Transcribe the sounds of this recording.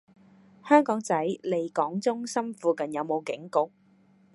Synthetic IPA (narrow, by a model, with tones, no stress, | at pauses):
hœː˥ŋkɔː˨˥ŋt͡sɐ˨˥jle˨˧˩jkɔː˨˥ŋt͡sʊ˥ŋsɐ˥mfuː˧kɐ˨njɐ˨˧wmo˨˧wkɪ˨˥ŋkʊ˥k̚